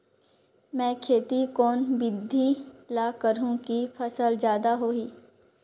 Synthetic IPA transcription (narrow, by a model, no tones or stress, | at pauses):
mɛ̃ːkʰeːt̪ikɔːnbɪd̪ʱːilaːkəɾɦũkipʰəsəld͡ʒjaːd̪aɦoːiː